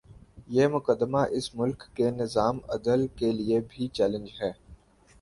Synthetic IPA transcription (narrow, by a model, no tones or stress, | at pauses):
jeːmʊkəd̪ːəmaʔɪsmʊlkːenɪzaːmɐ̰d̪əlkeliebʱit͡ʃɛːlə̃nd͡ʒɦɛː